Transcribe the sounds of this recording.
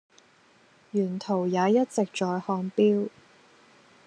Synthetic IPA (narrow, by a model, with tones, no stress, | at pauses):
jyː˨˩nt̪ʰo˨˩wjaː˨˧jɐ˥t̚t͡sɪ˨k̚t͡ʃɔː˨˧jhɔː˧ŋpiː˥w